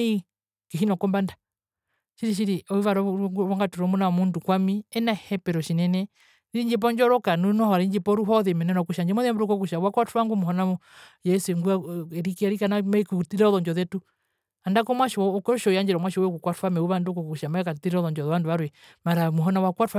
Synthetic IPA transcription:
i | kiɦinɔkɔmbanda | ʃiɾiʃ̬iɾiɔiʋaɾɔɡβaŋɡatuɾɔmunawɔmundukwamiɛnahɛpɛɾɔʃinɛnɛ | ðiɲd͡ʒip̬ɔɲd͡ʒɔɾɔkanunɔhɔɾaiɲd͡ʒipɔɾuɦɔðɛmɛnɛɾɔkuʃaɲd͡ʒɛmɔðiamɾukɔkuʃawakwataŋɡumuɦɔna | jɛsuɛŋɡuɛɾikiaɾikanamaikutiɾɔðɔɲd͡ʒɔðɛtu | andakɔmwaʃɔɔkɔɔʃɔjaɲd͡ʒɛɾɔmwaʃɔɔɛkukwatwamɛuβandukɔkukuʃamaɛkatiɾɔðɔɲd͡ʒɔðɛβanduβaɾwɛmaɾamuɦɔnawakwatwa

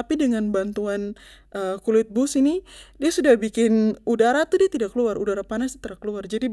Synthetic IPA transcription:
apidəŋanbant̪uan | ʔəkuluɪt̪̚bʊsinidiasudahbikɪnudaɾat̪udiat̪idaʔkəluarudaɾapanasut̪əɾakəluard͡ʒadi

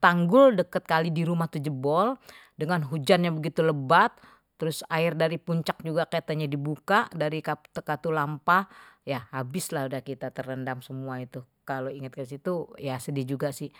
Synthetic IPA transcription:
t̪aŋɡʊldəkət̪̚kalidiɾumaht̪ud͡ʒəbɔl | dəŋanɦud͡ʒanɲabəɡit̪uləbat̪ː | əɾʊsaɪrdaɾipuɲt͡ʃak̚d͡ʒuɡakat̪aɲadibukadaɾikḁt̪əkat̪ulampajaabɪslahudahkit̪at̪ərəndamsəmuait̪u | kaloiŋat̪̚kəs̬it̪ujasədid͡ʒuɡasɪh

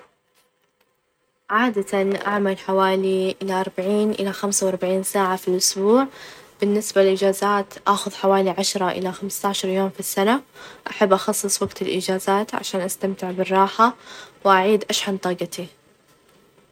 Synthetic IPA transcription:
ʕaːd̪at̪anʔa̰ʕmalħawaːliʔɪlaʔɑɾˤbaʕiːnʔɪlaxamsawʔɑɾˤbaʕiːnsaːʕafilʔʊsbuːʕb̥ɪnːɪsballʔɪd͡ʒaːzaːt̪ʔaːxʊðħawaːliʕaʃɾˤɑʔɪ̰laxamst̪aʕʃɑɾˤjoːmfisːanaʔaħabːʔɑxɑsˤːɨsˤwaɡt̪ɪlʔɪ̰d͡ʒaːzaːt̪ʕa̰ʃaːnʔast̪amt̪ɪʕbɪrˤːɑːħawʔaʕiːd̪ʔaʃħant̪ˤɑːɡɑt̪ʰi

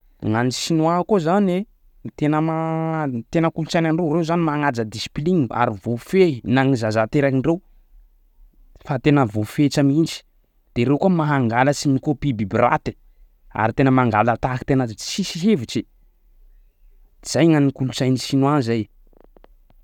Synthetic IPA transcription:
ŋanisinuakozane | t̪enəmat̪enəkulut͡sajnaɳɖ͡ʐerewzanimaŋad͡zəd̪isi̥pliŋa̰ɾivofenaŋizazat̪eɾakiɳrew | fat̪enəvofet͡ʃamind͡ʒi̥ | d̪̥eɾekuəmaɦaŋɡaləsinikopibibira̰t̪i̥ | a̰ɾit̪enəmaŋɡalat̪aki̥t̪enəsisiɦevit͡ʃi | iz̥ajŋanikulut͡sajnisinuazaj

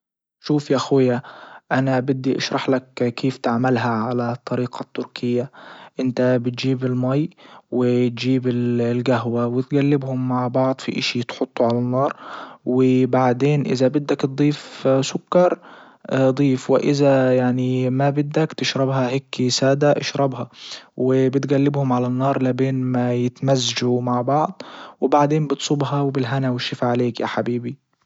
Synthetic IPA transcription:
ʃuːfjaʔxwɪjːaʔanabɪd̪ːiʔɑʃɾˤɑħlakkʰeːft̪ɪʕmalɦaʕalat̪ˤːɑɾiːqʰɑt̪ːʊɾkʰɪjːaʔɪnt̪abɪt̪̚ʒiːbɪlmɑjwɪt̪ʒiːbɪllɡaɦwawɪt̪ɡalːɪbhʊmːaʕbɑʕd̪ˤfḭʔa̰ʃit̪ħot̪ˤːuʕalanːɑːɾˤwɪbaʕd̪eːnʔɪ̰zabɪd̪ːakt̪d̪ˤiːfsʊkːɑɾˤ | d̪ˤiːfwɪʔɪzajaʕnimabɪd̪ːakt̪ɪʃɾˤɑbhɑhekːisaːd̪aʔa̰ʃɾˤɑbhɑwɪbɪt̪ɡalːɪbhʊmʕalanːɑːɾˤlabeːnmajɪt̪mazːaʒumaʕbɑʕd̪ˤwɪbaʕd̪eːmbɨt̪sˤʊbɦɑwɪbɪlɦanawɪʃːɪfaʕaleːkjaħabiːbi

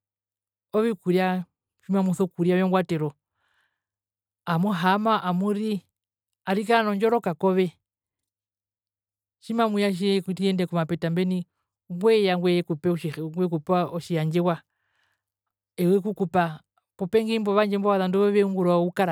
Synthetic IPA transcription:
ɔβikuɾja | ʃimamuθɔkuɾjajɔŋɡwatɛɾɔ | amuɦamaʔamuɾi | aɾikaanɔɲd͡ʒɔɾɔkakɔβɛ | ʃimamujaʃ̬iiɛndɛkumapɛtambɛni | ŋɡwɛjaŋɡwɛkupɛʃŋɡwɛkupaɔʃijaɲd͡ʒɛwa | ɛwɛkukupa | pɔpɛŋɡimbɔβaɲd͡ʒɛmbɔβaðanduβɔβɛuŋɡuɾaukaɾa

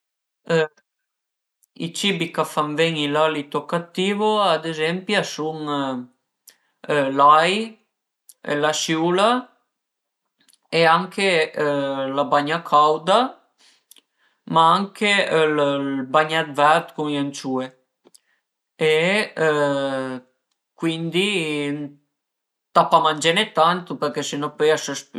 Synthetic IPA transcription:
ḭt͡ʃibikafamvɛŋilalit̪okːat̪ːiːvoad̪ezɛmpjasuŋ | laj | ḛlasjuːla | eaŋkʰe | labaɲakʰawd̪a | maaŋkʰelbaɲad̪vɛɾt̪kunjant͡ʃue | e | kwind̪i | t̪apamand͡ʒɛnɛt̪ant̪upɛɾkɛsinɔpɛjasəsp

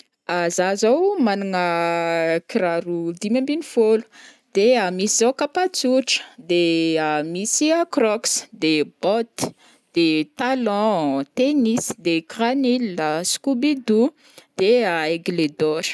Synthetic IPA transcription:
azazawmanaŋə | kiɾaɾud̪imãmbinifolu̥ | d̪̥eamisizawkapat͡suʈ͡ʂə̥d̪eamisiakrɔksd̪eb̥ɔt̪i̥ | d̪̥et̪alɔ̃t̪enisd̪ekranilːəskubid̪u | d̪̥eaeɡled̪ɔɾ̥

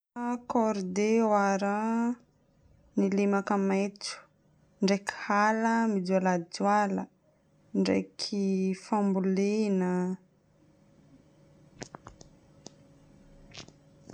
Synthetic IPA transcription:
akɔɾd̪ewaɾa | nilemakəmajt͡su̥ | ɳɖ͡ʐekhaləmid̪ualadualə | ɳɖ͡ʐḛkʰifambulenə

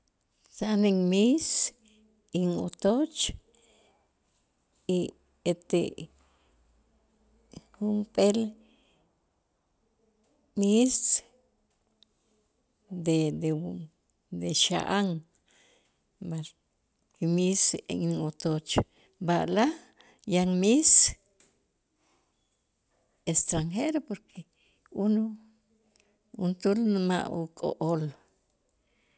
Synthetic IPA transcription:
saneŋmis | iŋot̪ot͡ʃ | i | et̪e | hunpel | mist͡s | d̪ed̪e | d̪eʃa̰ʔaŋ | ba | kimisḛŋiŋot̪ot͡ʃ | baʔla | jaŋmis | est̪ɾaŋxeɾopoɾkʰe | unu | unt̪ulnma̰ʔukʼo̰ʔol

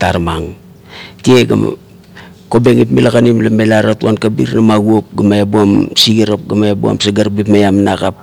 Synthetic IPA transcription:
taɾmaŋ | tieɡa̰ma̰ | kobeŋitmilakanimlamelaɾatuankabḭɾnamaɡuop̚ɡamaebuamsiɡiɾap̚ɡamaebua̰msaɡaɾbipmajamnakap̚

